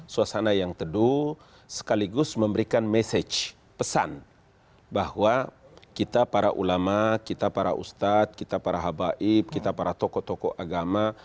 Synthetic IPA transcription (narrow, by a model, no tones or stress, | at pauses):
suasanajaŋt̪ədu | sə̥kaliɡʊsməmbəɾikanmɛsɛt͡ʃ | pəsa̰n | bahwa | kit̪apaɾaʔṵlamakit̪apaɾa̰ʔṵst̪at̪̚kit̪apaɾaɦabaʔɪip̚kit̪apaɾat̪ɔkɔt̪ɔkɔʔaɡama